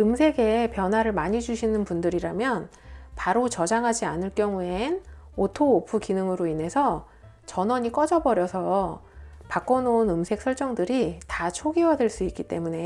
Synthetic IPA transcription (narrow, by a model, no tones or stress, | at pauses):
ɯmsʰe̞ɡe̞pjʌnɦwaɾɯɭmaɲid͡ʑuɕʰinɯnpundɯɾiɾamjʌn | paɾot͡ɕʌd͡ʑaŋɦad͡ʑianɯɭk͈jʌŋuenotʰoːpʰukinɯŋɯɾoine̞sʰʌ | t͡ɕʌnʌɲik͈ʌd͡ʑʌbʌɾjʌsʰʌ | pak͈ʌnounɯmsʰe̞k̚sʰʌɭt͡ɕ͈ʌŋdɯɾitat͡ɕʰoɡiwadweɭs͈uik͈it͈e̞̰mune̞